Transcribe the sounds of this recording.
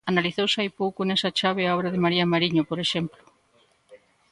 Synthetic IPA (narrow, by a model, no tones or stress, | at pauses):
analiθowsajpowkonesat͡ʃaβ̞eaɔβɾaðemaɾiamaɾiɲopoɾeʃemplo̥